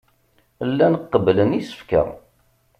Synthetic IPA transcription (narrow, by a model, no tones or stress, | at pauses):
lːænəqːəblənisə̥fkæ̰